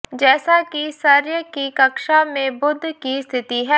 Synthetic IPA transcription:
d͡ʒɛːsakisɐɾjəkikɐkʃamẽbʊd̪ʱːkist̪ʰɪt̪iɦɛː

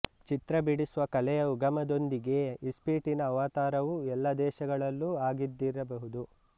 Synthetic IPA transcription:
t͡ʃit̪ɾɐbiɽisuʋɐkɐlɛjɐuɡɐmɐd̪o̞nd̪iɡe̞ispiːʈinɐːʋaːt̪aːɾɐʋuɛlːɐd̪ɛːʃɐɡɐɭɐlːuaːɡid̪ːiɾɐbɐɦud̪u

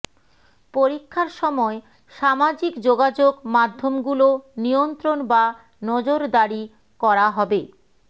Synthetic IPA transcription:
poɾikʰːaɾʃɔmɔe | ʃamad͡ʑikd͡ʑoɡad͡ʑoɡmad̪ʱːomɡulonijont̪ɾonba | nɔd͡ʑoɾd̪aɾi | kɔɾaɦɔbe

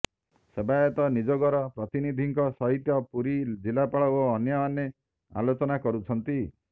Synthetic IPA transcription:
sebajɔt̪ɔnid͡ʒɔɡɔɾɔpɾɔt̪inid̪ʱiŋkɔsɔɦit̪jɔpuɾid͡ʒilapaɭɔoːnjɔːne | a̰lot͡ʃɔnakɔɾut͡ʃʰɔnt̪i

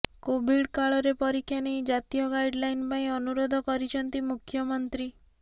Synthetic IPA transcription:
kobʱiɽkaɭɔɾepɔɾikʰːjanejd͡ʒat̪ijɔɡajɖlajnpaĩɔnuɾod̪ʱɔkɔɾit͡ʃʰɔnt̪imukʰjɔmɔnt̪ɾi

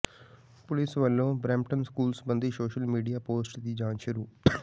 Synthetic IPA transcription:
pʊlɪsʋəlːõːbɾɛ̃ːmʈənskuːlsbənd̪iːsoːʃəlmiːɖijaːpoːsʈd̪iːd͡ʒãːnʃʊɾuː

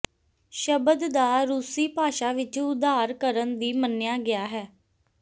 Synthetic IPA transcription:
ʃəbəd̪d̪aːɾuːsiːpaːʃaːʋɪt͡ʃʊd̪aːɾkəɾənd̪iːmənːɪjaːɡɪaːɦɛː

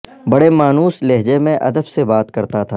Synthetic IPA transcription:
bɐɽemaːnuːsleɦd͡ʒemẽʔɐ̰d̪əbsebaːt̪kɐɾt̪at̪ʰaː

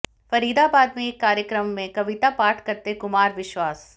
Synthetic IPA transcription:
fɐɾiːd̪abaːd̪mẽːkːaːɾjəkɾəmːẽkɐʋɪt̪apaːʈʰkɐɾt̪ekʊmaːɾʋɪʃwaːs

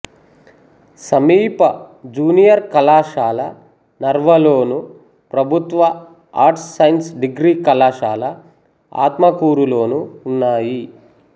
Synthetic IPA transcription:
sɐmiːpɐd͡ʒuːnijɐɾkɐlaːʃaːlɐ | nɐɾʋɐlo̞ːnu | pɾɐbʱut̪ʋɐ | aːɾʈsːɐjnsɖiɡɾiːkɐlaːʃaːlɐ | a̰ːt̪mɐkuːɾulo̞ːnuːnːaːji

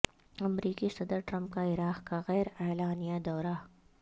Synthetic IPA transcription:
ɐmɾiːkisɐd̪əɾʈɾɐ̃mp̚kaɪɾaːqkaɣɛːɾɛːlaːnijad̪ɔːɾa

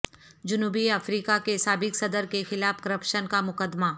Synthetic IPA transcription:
d͡ʒʊnuːbiɐfɾiːkakesaːbɪksɐd̪əɾkexɪlaːfkəɾəpʃənkamʊkəd̪ma

